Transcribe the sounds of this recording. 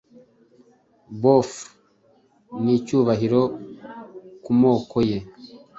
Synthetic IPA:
bof | nicuːβaɦiɾo̞ | kumo̞ːkʰo̞je̞

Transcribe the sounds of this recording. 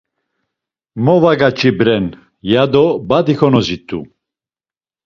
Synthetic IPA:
mɔvaɡat͡ʃʰʼibɾɛn | jad̪ɔbad̪ixɔnɔzit̪ʰʼːṵ

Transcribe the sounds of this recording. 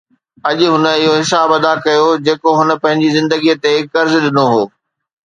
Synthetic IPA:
ɐʄʊɦʊnə̆ɪɦoɦɪsaːbɐd̪akɐjod͡ʑeːkoɦʊnə̆pɐ̃ɦɪ̃ɲd͡ʑizɪ̃nd̪əɡijət̪ekɐɾzɗɪnoɦoː

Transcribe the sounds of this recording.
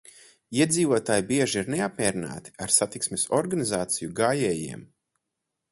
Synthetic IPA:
iɛd̪ziːvuɔt̪aːjibiɛʒiiɾneapmʲɛːɾina̰ːt̪i̥aɾsat̪iksmʲesɔɾɡanizaːt̪sijuɡaːjɛːjḭɛm

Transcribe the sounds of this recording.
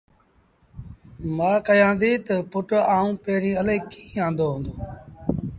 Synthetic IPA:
maːkəjãːnd̪iːt̪əpʊʈaːũːpeːɾĩːəleːkĩːãːnd̪oːɦʊ̃ːnd̪oː

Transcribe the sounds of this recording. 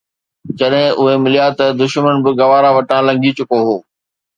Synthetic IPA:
d͡ʑɐɗɦɪ̃ʔʊɦemɪlijat̪ɐd̪ʊʃmənbɪɡɐʋaːɾaʋɐʈãːlɐ̃ŋɡit͡ɕʊkoɦoː

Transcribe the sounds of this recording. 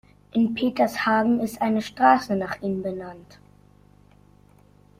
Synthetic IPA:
ʔɪnpʰeːtɐshaːɡŋ̩ɪstʔaɪnəʃtʁ̥aːsənaːχʔiːənbənant

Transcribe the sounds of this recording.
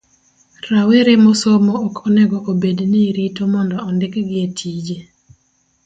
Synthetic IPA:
ɾawɪɾemosomoːkʰɔnɛɡɔʔobedniɾitomɔndɔːndɪkɡɪetʰid͡ʒe

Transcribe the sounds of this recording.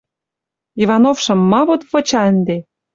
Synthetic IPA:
ivɑnofʃɤ̆mːɑβot̪βɤ̆t͡ɕɑə̆nd̪e

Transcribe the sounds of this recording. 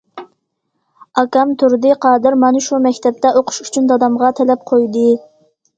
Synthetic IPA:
ɑkɑmt̪ʰʊɾd̪ɨqʰɑːd̪ɨɾmɑnɨʃumɛkʲt̪ɛp̚t̪ɛʔoqʰʊ̥ʃyt͡ʃʰynd̪ɑd̪ɑmʁɑt̪ʰɛlɛp̚qʰojd̪ɨ

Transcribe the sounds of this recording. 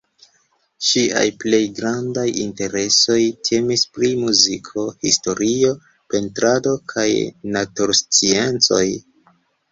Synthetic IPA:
ʃia̰jple̞jɡɾandajinte̞ɾe̞so̞jtʰe̞mispɾimuzikʰo̞histo̞ɾio̞ | pe̞ntɾado̞kʰajnatuɾst͡sie̞nt͡so̞̰j

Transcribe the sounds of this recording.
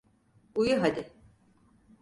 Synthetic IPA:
ujuɦad̪ɪ

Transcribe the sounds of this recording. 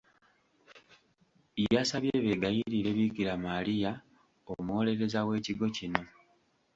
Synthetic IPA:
ijasaβjee̞βeɡajiɾiɾe̞βikiɾamalija | omuwole̞ɾe̞zawe̞ːciɡo̞cino̞

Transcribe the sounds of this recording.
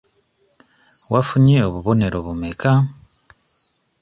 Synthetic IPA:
wafuɲeoβuβo̞ne̞ɾoβumeka

